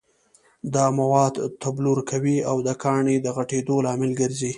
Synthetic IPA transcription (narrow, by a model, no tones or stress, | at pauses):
d̪ɑmawɑd̪t̪abluɾkawiawd̪əkʰɑɳed̪əɣaʈed̪olɑmɪlɡəɾzi